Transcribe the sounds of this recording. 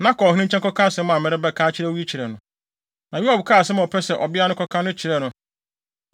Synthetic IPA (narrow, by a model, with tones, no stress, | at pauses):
nã˦kʰɔ˨ĩ˦ĩ˦t͡ɕʰɛ˦kɔ˦kʰã˦sɛ˦mʊ̃˦ã˨mɛ˨ɾɪ˦bɛ˦kʰaː˦t͡ɕʰɪ˦ɾɛ˦wi˦t͡ɕʰi˨ɾɛ˨nʊ̃˨ | nã˨ju˦a˨bkʰaː˦˨sɛ˦m˦˨ɔ˨pʰɛ˦sɛ˨ʔɔ˨bɪ˦a˦nʊ̃˦kʰɔ˦kʰã˦nʊ̃˦t͡ɕʰɪ˨ɾɛ˨nʊ̃˨